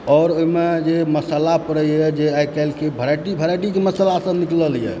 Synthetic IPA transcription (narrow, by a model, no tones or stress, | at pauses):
ɔɾoimed͡ʒeməsəlapəɾəjɛd͡ʒeajkɛlkebʱəɾajʈibʱəɾajʈikeməsəlasə̃nikləljɛ̰